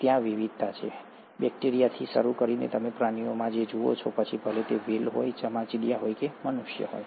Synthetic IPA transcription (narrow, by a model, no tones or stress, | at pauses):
t̪jãʋiʋid̪̚t̪at͡ʃʰḛ | bɛk̚ʈeɾijat̪ʰiʃəɾukəɾinḛt̪əmepɾaniomãd͡ʒed͡ʒuo̰t͡ʃʰopət͡ʃʰibʱəɦlet̪eʋelɦojd͡ʒəmãt͡ʃiɽijaɦojkemənuʃjə̰ɦo̰j